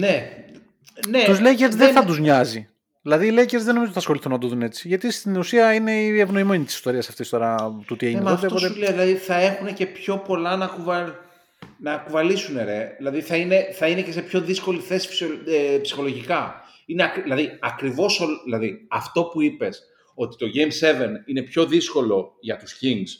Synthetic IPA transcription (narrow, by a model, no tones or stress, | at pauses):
ne̞ | net̪uzleceɾzðeθɐt̪uzɲɐzi | ðilɐðiːleceɾzðeno̞miot̪iθɐsxo̞liθunɐt̪uðune̞t͡si̥ʝɐt̪ist̪inusiɐine̞ievno̞ime̞ɲit̪isi̥st̪o̞ɾiɐsɐft̪ist̪o̞ɾɐt̪ut̪ieʝinnmɐoft̪eptooeleðlɐðiθɐe̞xunece̞pço̞po̞lɐnɐkuvɐ | nɐkuvɐlisuneɾe̞ðilɐðiθɐine̞θɐinece̞se̞pço̞ðisko̞liθe̞si̥psoepsi̥xo̞lo̞ʝikɐ | ineɐklɐðiɐkɾivo̞solðilɐðiɐft̪o̞puipe̞s | o̞t̪i̥t̪o̞ʝe̞jmse̞venine̞pço̞ðisko̞lo̞ʝɐt̪u̥sciŋɡs